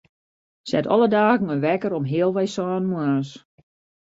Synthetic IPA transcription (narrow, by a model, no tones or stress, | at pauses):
sɛ̰tɔ̰lˠədaːɣn̩ənʋɛkəɾɔmɦeəlˠʋɛjsɔːnmwas